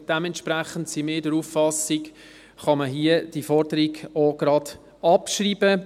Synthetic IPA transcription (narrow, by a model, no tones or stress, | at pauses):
d̥ɛmɛntʃpɾæχəntsimeːdəɾuːffɑsik | χɑməɦiəd̥ifɔɾdəɾiɡoɡɾɑd̥ | ɑpʃriːbə